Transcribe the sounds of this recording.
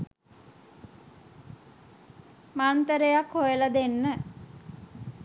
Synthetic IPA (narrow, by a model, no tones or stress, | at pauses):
mant̪əɾejakhojələd̪enːə